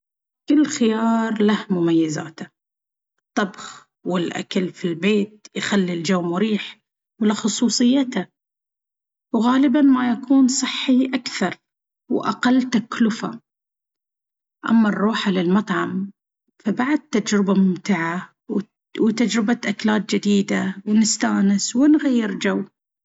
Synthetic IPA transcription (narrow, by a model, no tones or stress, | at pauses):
kɪlːxɪjɑːɾˤlahmʊmajːaza̰ːt̪a | ʔɨt̪ˤːɑbx | wɪlʔa̰kalfilbeːt̪̚jxalːild͡ʒawmwɪɾiːħ | wlaxʊsˤuːsˤɨjːat̪a | wɣaːlɪbanmajakuːnsˤɨħːiʔakθɑɾˤ | wʔa̰qalːt̪aklʊfa̰ | ʔa̰mːarˤːuːħalɪlmɑt̪ˤʕɑm | fabaʕd̪̚t̪ːad͡ʒɾɪbamʊmt̪ɪʕa | w | wt̪ad͡ʒɾɪbat̪ʔaklaːt̪̚d͡ʒɪd̪iːd̪awnɪst̪aːnɪswɪnɣajːɪɾd͡ʒawː